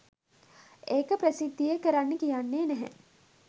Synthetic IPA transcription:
eːkəpɾəsid̪ːijəkəɾanːəkijanːeːnɛɦɛ̰

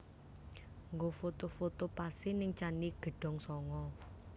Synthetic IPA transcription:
ŋɡofot̪ofot̪opasɪnɪŋt͡ʃaniɡ̥ə̤ɖ̥ɔ̤ŋsɔŋɔ

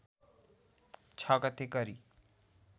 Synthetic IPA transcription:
t͡ʃʰakʌt̪ʰekʌɾi

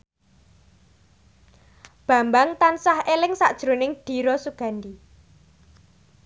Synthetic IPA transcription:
b̥a̤mbaŋt̪ansahelɪŋsad̥ʒ̥ɾo̤nɪŋɖ̥i̤ɾɔsuɡ̥ä̤nd̪i

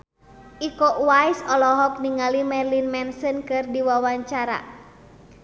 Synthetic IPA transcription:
ʔikɔʔwajsɔlɔɦɔk̚niŋalimɛrlinmɛnsənkɨrdiwawaɲt͡ʃaɾa̰

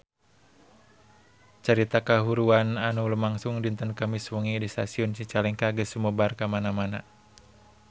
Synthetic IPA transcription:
t͡ʃaɾit̪akaɦuɾuananulumaŋsuŋdint̪ənkamiswuŋidist̪asiɔnsit͡ʃalɛŋkaɡəsumɔbarkamanamana

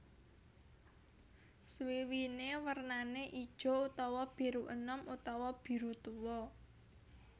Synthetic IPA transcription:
swiwinewərnaneʔid̥ʒ̥ɔ̤ut̪ɔwɔb̥i̤ɾuʔənəmut̪ɔwɔb̥i̤ɾut̪uwɔ

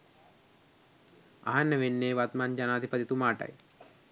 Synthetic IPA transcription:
a̰ɦanːəʋenːeːʋat̪mand͡ʒanaːd̪ipəd̪it̪umaːʈə̰j

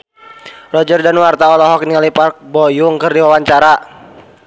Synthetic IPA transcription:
rɔd͡ʒərdanwart̪aɔlɔɦɔk̚nialipark̚bɔjuŋkərdiwawaɲt͡ʃaɾa

